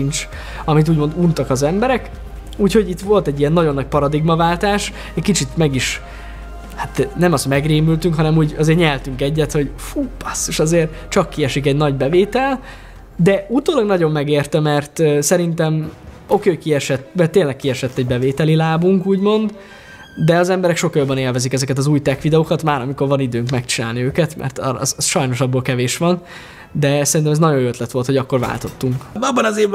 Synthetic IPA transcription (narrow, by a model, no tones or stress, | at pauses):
int͡ʃ | ɒmit̪̬uːɟmo̞nd̪uːnt̪ɒkɒzɛmbɛɾɛk | uːcho̞ɟit̪ʋo̞lt̪ɛɟːijɛnːɒɟo̞nːɒc̚pɒɾɒd̪iɡmɒvaːlt̪aːʃ | kit͡ʃit̪mɛɡiʃ | hat̪nɛmɒst̪mɛɡreːmylt̪yŋkɦɒnɛmuːɟɒzeːrɲɛlt̪yŋkɛɟːɛt̪ho̞ɟfuːpːɒsoʃɒzeːrt͡ʃɒkːiɛʃikɛɟnɒɟbɛveːt̪ɛl | d̪ɛut̪oːlɒɡnɒɟo̞mːɛɡeːrt̪ɛmɛrt̪ːsɛɾint̪ɛm | o̞kekiɛʃɛt̪ːmɛrt̪ːeːnlɛkːiɛʃɛt̪ːɛɟbɛveːt̪ɛlilaːbuŋkuːɟmo̞nd̪ | d̪ɛɒzɛmbɛɾɛkʃo̞kjobːɛneːlvɛzikɛzɛkɛt̪ɒzuːjt̪ɛkʋid̪ɛoːkɒt̪maːɾɒmiko̞rvɒnid̪øːŋkmɛkt͡ʃinaːlniøːkɛt̪mʔɛ̰rt̪ːzsʃɒjno̞ʃɒbːolkɛveːʃʋɒn | d̪ɛsɛɾint̪ɛmɛznɒɟo̞jøt̪lɛt̪ʋo̞lt̪ho̞ɟɒkːo̞rva̰ːlt̪o̞t̪ːuŋkɒbːɒnɒzeː